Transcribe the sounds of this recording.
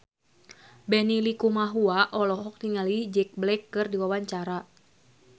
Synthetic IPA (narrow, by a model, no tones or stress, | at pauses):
bɛnilikumaɦuaʔɔlɔɦɔk̚niŋalid͡ʒɛk̚blɛkːɨrdiwawaɲt͡ʃaɾa